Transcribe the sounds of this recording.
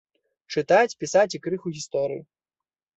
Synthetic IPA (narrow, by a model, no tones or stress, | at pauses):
t͡ʂɨt̪at͡sʲpʲisat͡sʲikɾɨxuɣʲist̪ɔɾɨ̰ju